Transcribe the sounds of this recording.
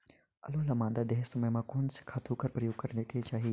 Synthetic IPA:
ɐlolɐmãːnd̪ad̪eɦsɐməjmãkoːnse̥kʰaːt̪ʰukəɾpɾɐjoːɡ̚kɐɾneket͡ʃaːɦieː

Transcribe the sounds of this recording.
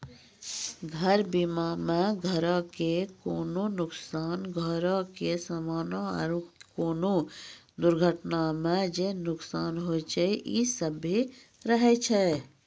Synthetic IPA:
ɡʱəɾbimamɛ̃ɡʱəɾãkekoːnõnʊksaːnɡʱəɾõkesamaːnõ̰ɾukoːnõd̪ʊɾɡʱəʈnamɛ̃d͡ʒenʊksaːnɦot͡ʃeʔisəbi | ɾəɦet͡ʃʰɛ

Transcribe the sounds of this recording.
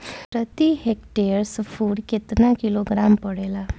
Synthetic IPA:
pɾət̪ihekʈeɾsfuɽket̪nakiloɡɾampəɽela

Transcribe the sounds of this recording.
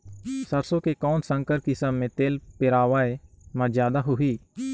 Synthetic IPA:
səɾsõkekɔːnsə̃ŋkəɾkɪsəmːẽt̪eːlpɪɾaːʋaːe | mɐ̃zjaːd̪aɦʊɦiː

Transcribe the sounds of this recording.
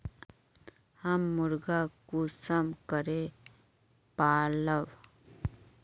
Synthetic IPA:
hamːuɾɡakusəmkəɾe | paləw

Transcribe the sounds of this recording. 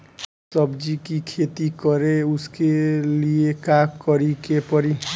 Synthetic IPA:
sʌbd͡ʒikikʰet̪ikɔɾeuskeliekakkʌɾikepʌɾi

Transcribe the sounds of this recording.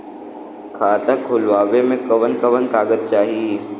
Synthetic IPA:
kʰaːt̪akʰʊlʋaːʋemẽkɐʋənkɐʋənkaːɡəd̪̚t͡ʃaːɦie

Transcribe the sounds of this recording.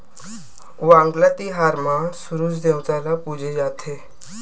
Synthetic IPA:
ʋãŋɡlat̪iːɦaɾmasuɾuːsd̪ewt͡salapud͡ʑʱejat̪ʰe

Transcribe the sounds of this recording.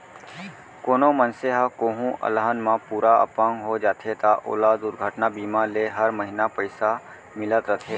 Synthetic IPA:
koːnomənseɦakoːɦũʔə̰lɦənmãpuːɾaə̰pə̃ŋɡɦod͡ʒaːt̪ʰet̪aʔo̰ːlaːd̪ʊɾɡʱəʈnabiːmãleɦɐɾməɦɪnapəɪsa | mɪlət̪ɾət̪ʰeː

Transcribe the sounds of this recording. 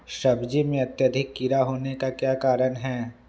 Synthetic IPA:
ʃɐbd͡ʒimẽɐt̪jəd̪ʱɪkːiɾaɦoːnekakjaːkaːɾənɦɛː

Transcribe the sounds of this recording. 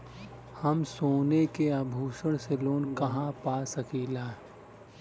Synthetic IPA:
hɐmsoːnekeabʱuːsəɽ̃seloːnkɐɦãpaːsɐkiːlaː

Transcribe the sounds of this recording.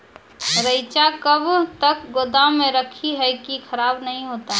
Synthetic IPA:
ɾəɪt͡ʃakəbt̪əkɡod̪ãmẽɾəkʰiɦɛkikʰəɾaːbnəɦĩɦoːt̪aɦɛ

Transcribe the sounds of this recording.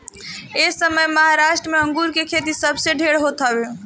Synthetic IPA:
esəməjməɦaɾaʃʈɾəmeə̃ŋɡuɾkekʰet̪̬isəbseɖʱeɽɦot̪əbẽ

